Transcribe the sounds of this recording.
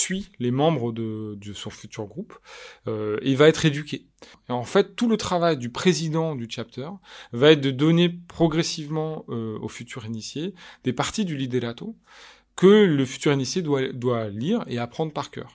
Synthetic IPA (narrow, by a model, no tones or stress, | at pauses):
sɥilemɑ̃bʁəd̪əd̪əsɔ̃fyt̪yʁɡʁupøevaɛt̪χed̪ykʲe | eɑ̃fɛt̪ːulət̪χavajd̪ypχezid̪ɑ̃d̪yt͡ʃap̚t̪œʁvaɛt̪̚d̪əd̪ɔnepχɔɡʁesivmɑ̃øo̰fyt̪ʰyʁinisjed̪̥epaʁt̪id̪ylid̪edat̪o | kələfy̥t̪yʁinisjewad̪waliʁḛapχɑ̃d̪ʁpaʁkʲœ̰ːʁ